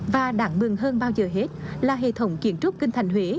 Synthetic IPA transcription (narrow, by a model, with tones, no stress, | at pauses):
vaː˨˩ɗaː˨˦ŋmɨ˨˩ŋɦəː˧nɓaː˧wzəː˨˩ɦe˦˥t̚laː˨˩ɦḛ˧˨t̪ʰə˨˦wŋ͡mki˧˩˦ənt͡ɕʊ˦˥k͡p̚kï˧ŋ̟t̪ʰa˨˩jŋ̟ɦwe˨˦